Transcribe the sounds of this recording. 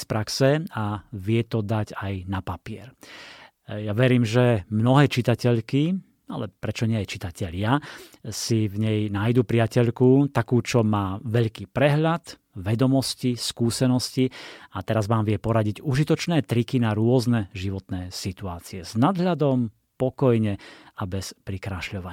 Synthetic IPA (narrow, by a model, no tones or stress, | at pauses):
spɾaksɛaʋɪɛt̪ɔd̪aɟajnapapɪɛɾ | jaʋɛɾiːmʒɛmnɔɦɛːt͡ʃit̪acɛʎki | a̰lɛpɾɛt͡ʃɔɲɛɛt͡ʃit̪acɛʎɪasivɲɛjnajd̪uːpɾiɪacɛʎkut̪akuːt͡ʃɔmaːʋɛʎkiːpɾɛɦʎat̪ | ʋɛd̪ɔmɔsciskuːsɛnɔsciat̪ɛɾazʋaːmʋɪɛpɔɾaɟiɟuʒit̪ɔt͡ʃnɛːt̪ɾikinaɾʊɔznɛʒiʋɔt̪nɛːsit̪uaːt͡siɛznad̪ɦʎad̪ɔm | pɔkɔjɲɛabɛspɾikɾaʃʎɔʋaɲ